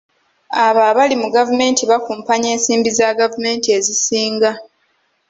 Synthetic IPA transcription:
aβaβalimuɡavume̞ːntiβakuːmpaɲe̞ːnsiːmbizaɡavume̞ːntie̞zisiːŋɡa

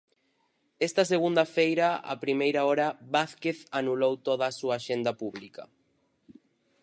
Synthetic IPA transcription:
ɛst̪ɐseɣ̞und̪ɐfejɾɐa̰pɾimejɾaɔɾɐβaθkeθanulowt̪oðaːsuaːʃend̪ɐpuβlikɐ

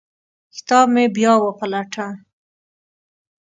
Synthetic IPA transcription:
xt̪ɑbmebjɑwəpalaʈʰa

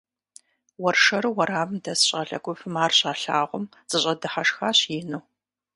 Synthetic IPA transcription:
wɔrʂɐɾɨwɐɾaːvɨmdɐsɕʼɐɬɐ̰kʷʰʼʊfɨmaːrɕʼaːɬaːʁʷɔm | z̥ʼɨɕʼɐdɨħaʂxaːɕjɪnuw

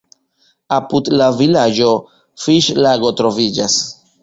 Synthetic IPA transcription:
apudlavilad͡ʒo̞ | fiʃlaɡo̞tɾo̞vid͡ʒas

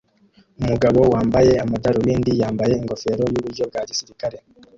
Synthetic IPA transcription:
umuɡaβo̞waːmbaje̞amadaɾuwiːndijaːmbaje̞iŋɡo̞fe̞ːɾo̞juβuɾɟo̞b̚ɡaːɟisiɾikaɾe̞

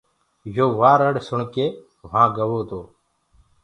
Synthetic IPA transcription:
joːʋaːɾəɽsʊɳkeː | ʋ̤ãːɡəʋoːt̪oː

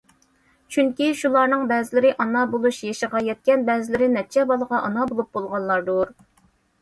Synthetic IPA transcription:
t͡ʃʰyŋkʲiʃulˠɑɾnɨŋbɛzɪlɪɾɪʔɑnɑbolˠuʃjeʃəʁɑjɛt̪̚kʲɛnbɛzɪlɪɾɪnɛt͡ʃʰɛbɑlˠəʁɑʔɑnɑbolˠup̚bolˠʁɑnlˠɑɾd̪uɾ

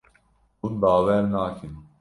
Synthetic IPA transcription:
unbaːwɛɾnaːkʰin

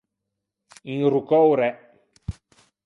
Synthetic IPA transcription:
iŋrukɔwɾɛ

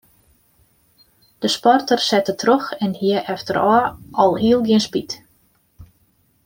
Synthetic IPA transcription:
d̥əspɔrtərsɛtətʰroxɛnhiəʔɛftəɾɔːʔɔlˠhiəlˠɡjɪənspit

